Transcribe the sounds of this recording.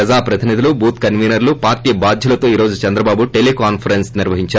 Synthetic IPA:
ɐd͡ʒaːpɾɐt̪inid̪ulubuːt̪kɐnʋiːnɐɾlupaːɾʈiːɐbaːd̪ʱjɐlɐt̪o̞ːiːɾo̞ːd͡ʒut͡ʃɛnd̪ɾɐbaːbuʈelekaːnpʰɐɾensniɾʋɐɦiɲt͡ʃa

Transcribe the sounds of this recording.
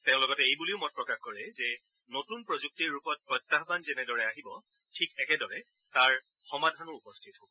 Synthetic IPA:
teʊ̃lɔɡɔtɛejbuliʊmɔt̚pɹɔkaxkɔɹɛzɛ | notunpɹozuk̚tiɹːupɔt̚pɔjtːaɦbanzɛnɛdɔɹɛaɦibɔ | tʰikɛkɛdɔɹɛ | taɹ | xɔmadʱanɔupɔstʰitɦobɔ

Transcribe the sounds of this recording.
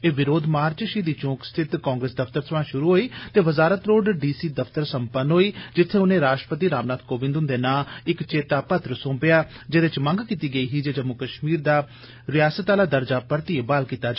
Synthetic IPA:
eːʋɪɾoːd̪maːɾt͡ʃʃiːd̪iːt͡ʃõːkst̪ʰɪt̪kaːŋɡɾeːsd̪əft̪əɾt̪ʰəʋãːʃʊɾuːɦoːiːt̪eːʋəzaːɾət̪ɾoːɖɖiːsiːd̪əpʰt̪əɾsəmpənɦoːiːd͡ʒɪt̪ʰːeːʊnẽːɾaːʈɾəpət̪iːɾaːmnaːd̪̚koːʋɪ̃nd̪ʊnd̪eːnaːɪkt͡ʃeːt̪aːpət̪ɾəsõːpɪjaː | d͡ʒeːd̪ɪt͡ʃmə̃ŋɡkiːt̪iːɡəiːɦiːd͡ʒeːd͡ʒəmːukəʃmiːɾd̪aː | ɾɪjaːsət̪aːlaːd̪əɾd͡ʒaːpəɾt̪iːebaːlkiːt̪aːd͡ʒ

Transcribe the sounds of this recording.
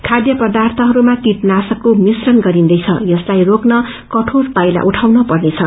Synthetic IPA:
kʰad̪jʌpʌd̪art̪ʰʌɦʌɾumakiʈnasʌkːomisrʌnɡʌɾind̪ʌjt͡sʰʌ̰jʌslajroknʌ | kʌʈʰorpajla̰ʔuʈʰawnʌpʌrnet͡sʰʌ

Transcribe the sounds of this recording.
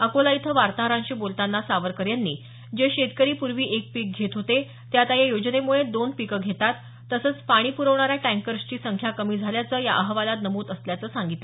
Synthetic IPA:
əkolait̪ʰəʋaɾt̪aɦəɾãɲt͡ɕiːbolt̪anːasaʋəɾkəɾjanːḭː | d͡ʑeɕet̪kəɾiːpuɾʋiːʔek̚pik̚ɡʱet̪ɦot̪e | t̪jat̪ajejod͡ʑnemuɭed̪onpikəɡʱet̪at̪ː | əsəːt͡spaɽ̃iːpuɾəʋɳaɾjaʈæ̃ŋkəɾst͡ɕiːsəŋkʰjakəmiːd͡zʱaljat͡səːja̰ʔəɦʋalat̪nəmuːd̪əsljat͡səːsaŋɡit̪le

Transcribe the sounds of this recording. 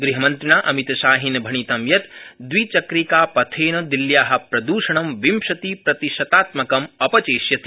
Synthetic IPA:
ɡɾiɦɐmɐnt̪ɾiɳaːʔɐmit̪ɐʃaːɦinɐbʱɐɳ̃it̪ɐmjɐt̪d̪ʋit͡ʃɐkɾikaːpɐt̪ʰeːnɐd̪iljaːɦɐ̆pɾɐd̪uːʃɐɳ̃ɐmʋimʃɐt̪ipɾɐt̪iʃɐt̪aːt̪mɐkɐmɐpɐt͡ʃeːʃjɐt̪ʰi

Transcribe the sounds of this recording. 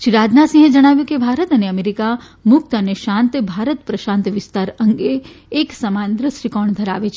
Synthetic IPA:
ʃiɾad͡ʒnasĩɦed͡ʒəɽ̃aʋjũkebʱaɾət̪əneəmeɾika | mʊk̚t̪əneʃãnt̪bʱaɾət̪pɾəʃãnt̪ʋɪst̪aɾəŋɡeː | ksəmand̪ɾəsɾikɔɳd̪ʱəɾa̰ʋet͡ʃʰ

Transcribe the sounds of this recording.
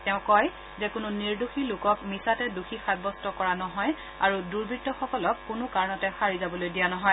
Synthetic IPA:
tɛʊ̃kɔj | zɛkʊnʊniɹduxilʊkɔkmisatɛduxixad̚bɔstɔkɔɹanɔɦɔj | aɹuduɹbitːɔxɔkɔlɔkːʊnʊkaɹnɔtɛxaɹizabɔlojdijanɔɦɔj

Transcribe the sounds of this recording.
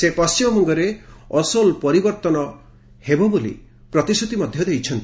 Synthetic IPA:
sepɔst͡ʃimɔmɔŋɡɔɾeɔsɔlpɔɾibɔɾt̪ɔnɔ | hebɔbolḭ | pɾɔt̪isʰut̪imɔd̪ʱjɔd̪ejt͡ʃʰɔnt̪i

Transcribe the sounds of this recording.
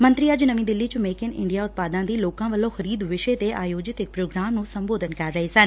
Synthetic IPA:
mənt̪ɾiːəd͡ʒnəmĩːd̪ɪlːiːt͡ʃʊmeːkɪnɪ̰ɳɖijaːʊt̪̚paːd̪ãːd̪iːloːkãːʋəlːõːxəɾiːd̪ʋɪʃeːt̪eːʔaːjoːd͡ʒɪt̪ɪk̚pɾoːɡɾaːmnũːsəmboːd̪ənkəɾːəɦeːsən

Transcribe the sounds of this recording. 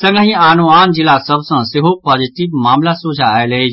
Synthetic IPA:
sɐ̃ŋɡəɦĩaːnuaːnd͡ʒɪlasɐbsãsɪɦopaːziʈiʋmaːmlasuːd͡ʒʱaele

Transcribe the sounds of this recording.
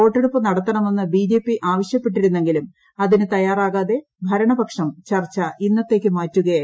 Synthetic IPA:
o̞ːʈːeɽupːɨnɐɽɐt̪ːɐɳɐmenːɨbiːd͡ʑe̞ːpːiʔaːʋɐɕjɐpːe̞ʈːiɾunːe̞ŋɡilum | ɐðinɨt̪ɐjaːraːɣaːðe̞ | bʱɐɾɐɳɐbɐkʂɐmt͡ɕɐrt͡ɕːɐʔinːɐt̪ːe̞ːk̬ʲːɨmaːtːuɣɐ

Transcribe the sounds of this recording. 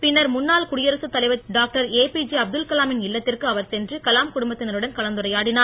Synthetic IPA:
pɪnːɐɾmʊnːaːlkʊɽɪjɐɾɐsɯt̪ːɐlɐɪʋɐɖaːk̚ʈɐɾeːpiːd͡ʒiɐb̚d̪ɯlkɐlaːmɪnɪlːɐt̪ːɪrkɯɐʋɐɾsɛndrɯkɐlaːmkʊɽʊmbɐt̪ːɪnɐɾɯɽɐnkɐlɐnd̪ɯrɐjaːɽɪnaːɾ

